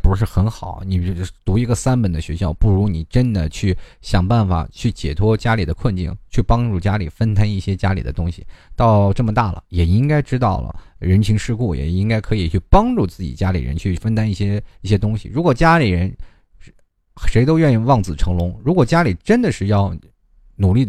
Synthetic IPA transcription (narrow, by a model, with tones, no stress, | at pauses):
pu˧˥ʂ̬ɻ̩˥˩xə˧˥nxɑ˨˩˦ʊni˨˩˥t̪u˧˥i˧˥ɡə˧sa˥npə˨˩nd̪ə˦ɕɥɛ˧˥ɕjɑ˥˩ʊpu˥˩ɻu˧˥ni˨˩ʈ͡ʂə˥nd̪ə˨t͡ɕʰy˥˩ɕjɑ˨˩ŋpa˥˩nfa̰˨˩t͡ɕʰy˥˩t͡ɕjɛ˨˩t̪ʰwɔ˥t͡ɕja˥li˨˩d̪ə˦kʰwə˥˧nt͡ɕḭ˥˩ŋt͡ɕʰy˥˩pɑ˥ŋʈ͡ʂu˥˩t͡ɕja˥lḭ˨˩fə˥nt̪ʰa˥ni˥˩ɕjɛ˥t͡ɕja˥li˨˩ə˦t̪ʊ˥ŋɕḭ˨˩t̪ɑ˥˧ʊʈ͡ʂɤ˥˩mə˩t̪a˥˩lə̰˩jɛ˨˩i˥ŋka˥ɪʈ͡ʂɻ̩˥t̪ɑ˥˩ʊlə̰˩ɻə˧˥nt͡ɕʰi˧˥ŋʂɻ̩˥˧ku˥˩jɛ̰˨˩i˥ŋka˥ɪkʰɤ˧˥i˨˩t͡ɕʰy˥˩pɑ˥ŋʈ͡ʂu˥˧t͡sɹ̩˥˩t͡ɕḭ˨˩t͡ɕja˥lḭ˨˩ɻə̰˧˥nt͡ɕʰy˥˩fə˥nt̪ʰa˥ni˥˩ɕjɛ˥i˥˩ɕjɛ˥t̪ʊ˥ŋɕḭ˨˩ɻu˧˥kwɔ˨˩t͡ɕja˥li˨˩ɻə˧˥n | ʂe˧˥ɪt̪o˥ʊɥɛ˥˧ni˥˩ŋwɑ˥˩ŋt͡sɹ̩˨˩ʈ͡ʂʰɤ˧˥ŋlʊ˧˥ŋɻu˧˥kwɔ˨˩t͡ɕja˥li˨˩ʈ͡ʂə˥nd̪ə˨ʂɻ̩˥˧jɑ˥˩ʊ | nu˨˩li˥˩